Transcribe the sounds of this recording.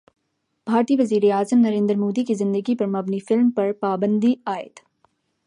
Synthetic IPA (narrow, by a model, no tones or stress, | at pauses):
b̥ʱaːɾt̪iːʋɐziːɾeaːzəmnɐɾẽːnd̪əɾmoːd̪ikizɪ̃nd̪əɡipɐɾmɐbnifɪlmpɐɾpaːbə̃nd̪iaːɪ̰t̪